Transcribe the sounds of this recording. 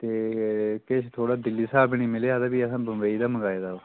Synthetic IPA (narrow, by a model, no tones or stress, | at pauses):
t̪eːkɪʃʰt̪ʰoːɽaːd̪ɪlːiːsaːbnĩːmɪleːad̪aːbiːəsãːbəmʋeːiːd̪aːməɡaːeːd̪aː